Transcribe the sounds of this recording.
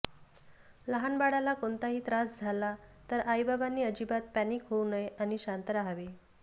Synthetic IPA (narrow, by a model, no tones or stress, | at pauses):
ləɦanbaɽalakoɳt̪aɦiːt̪ɾasd͡zʱalat̪əɾajbabanːiːəd͡ʑibat̪̚pæniːkɦounəjañiɕant̪əɾaɦaʋe